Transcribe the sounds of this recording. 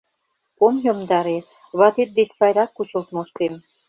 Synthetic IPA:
komjomd̪ɑɾe | βɑt̪et̪̚d̪et͡ɕsɑjɾɑkːut͡ɕə̆lt̪moʃt̪em

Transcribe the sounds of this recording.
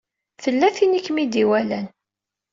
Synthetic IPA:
θəlːæθinikːmid̪iwælæn

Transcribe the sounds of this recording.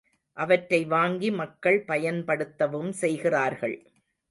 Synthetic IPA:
ʔɐʋɐʈɾɐɪʋaːŋɡimɐkːɐɭpɐjɐnpɐɽɯt̪ːɐʋɯmsɛjɣɪraːɾɣɐɭ

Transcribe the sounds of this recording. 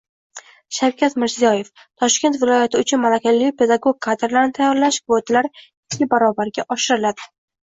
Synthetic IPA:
ʃawkʲat̪mɪɾzijɒje̞f | t̪ʰɒʃkʲe̞nt̪vɪlˠɒjat̪ʰɪʊt͡ʃʰʊnmalakʲalːpʰe̞d̪aɡoɡ̚kʰːad̪ɾlaɾnɪt̪ʰajɒɾlaʃkʰvot̪ʰɪlaɾ | ɪt͡ʃʰːʲɪbaɾɒbaɾɡʲaʔɒʃɪɾɪlad̪̥ɪ̥

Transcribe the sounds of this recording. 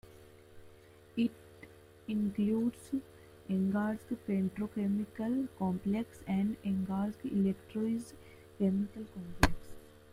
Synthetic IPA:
ɪʈ | ĩnkluːɖs | ẽŋɡaːɾd͡ʒɡpeɳʈɾoːkemikəlkɔ̃ːmpleksɛ̃ɳɖẽŋɡaːɾd͡ʒɡḭlekʈɾoːɪz | kemikəlkɔ̃ːmpleks

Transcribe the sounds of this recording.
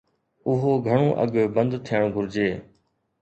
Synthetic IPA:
ʊɦoːɡʱəɽ̃õːʔə̰ɠbə̃nd̪t̪ʰijəɽ̃ɡʱʊɾd͡ʑeː

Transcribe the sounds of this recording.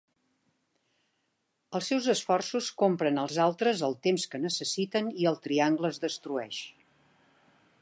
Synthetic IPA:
əlˠsɛwzəsfɔrsuskompɾənəlˠzalˠt̪ɾəzəlˠt̪emskənəsəsit̪əniəlˠt̪ɾiaŋɡləːzðəst̪ɾuɛʃ

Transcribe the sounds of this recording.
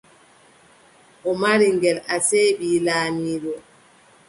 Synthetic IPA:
ʔɔmaɾiŋɡɛlaseːɓiːlaːmiːɗɔ

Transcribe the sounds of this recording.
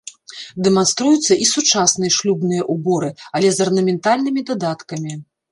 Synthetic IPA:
d̪ɛmanst̪ɾujut̪sːɐʔisut͡ʂasnɨjɐʂlʲubnɨjɐʔubɔɾɨɐlʲɛzɐrnɐmʲɛnt̪alʲnɨmʲid̪ad̪at̪kɐmʲi

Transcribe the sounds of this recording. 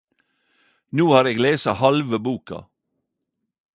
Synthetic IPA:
nuːhɑːɾeːɡleːsɑhɑlʋəbuːkɑ̰

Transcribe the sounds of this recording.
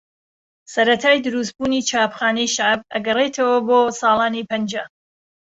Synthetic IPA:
sɐɾɐt̪ʰaːjd̪ɨɾus̬t̪̚buːnit͡ʃʰaːpxaːnɛjʃaʕb̚ɐ̰ɡɐrejt̪ʰɐwɐboːsɑːlaːnipɐnd͡ʒɐ

